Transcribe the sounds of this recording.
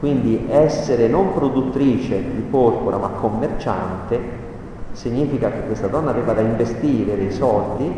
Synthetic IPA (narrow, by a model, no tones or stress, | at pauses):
kwind̪iʔɛsːeɾenompɾod̪ut̪ːɾiːt͡ʃed̪ipɔrpoɾʔamakʰːomːert͡ʃa̰nt̪e | siɲːiːfikak̟ekːwest̪ad̪ɔnːaveːvad̪aiɱvest̪iːɾed̪esɔld̪i